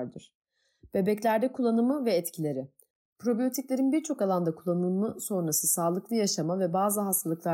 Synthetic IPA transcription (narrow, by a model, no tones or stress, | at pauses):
ɾd̪ɯɾ̥ | b̥e̞bɛclʲæɾd̪ɛkʰulˠːanɯmɯvɛːt̪cʰilʲe̞ɾɪ | pʰɾo̞bijo̞t̪ʰiclʲe̞ɾinbiɾt͡ʃʰo̞kalˠand̪akʰulˠːanɯmɯso̞nɾasɯsaːlˠɯklˠɯjaʃamavɛbaːzɯɦast̪ʰalˠɯklˠa